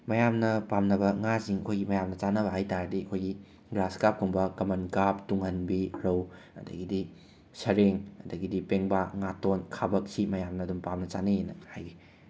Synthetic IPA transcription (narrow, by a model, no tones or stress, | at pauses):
mɐjamnɐpamnɐbɐŋaziŋɐkʰojɡimɐjamnɐt͡ʃanɐβɐɦajtaɾdiɐkʰojɡi | ɡɾaskap̚kuŋbɐkɐmɐnkap̚tuŋhɐnbiɾɐw | ɐ̰dɐ̰ɡidi | sɐɾeŋɐdɐɡidipeŋbaŋatonkʰabɐk̚simɐjamnɐːdumpamnɐt͡ʃanejenɐhajɡi